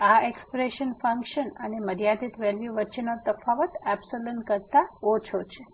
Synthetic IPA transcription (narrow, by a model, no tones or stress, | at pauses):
aekspɾeʃənfə̃ŋkʃənəneməɾijad̪it̪ʋelʋjuʋətːʃenot̪əfaʋət̪ɛbsolənkəɾt̪aot͡ʃʰot͡ʃʰe